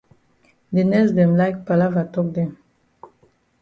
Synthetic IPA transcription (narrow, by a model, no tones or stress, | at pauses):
d̪enɛsd̪ɛ̃mlajk̚palavatɔk̚d̪ɛ̃m